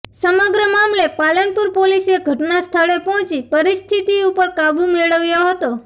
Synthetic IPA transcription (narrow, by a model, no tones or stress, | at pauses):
səməɡɾəmamlepalənpuɾpoliseɡʱəʈnast̪ʰəɭepɔɦɔ̃t͡ʃipəɾist̪ʰit̪iupəɾkabumeɭəʋjoɦət̪o